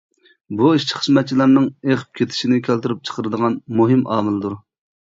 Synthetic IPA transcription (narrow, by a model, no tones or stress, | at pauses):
buiʃt͡ʃʰi̥χə̥smɛt̪̚t͡ʃʰːilˠɑɾnɨŋeχə̥p̚kʲʰet̪ʰɪ̥ʃinɪkʲʰælt̪ɪɾyp̚t͡ʃʰə̥qʰəɾɨd̪əʁɑnmuɦɨmɑːmɪlˠd̪uɾ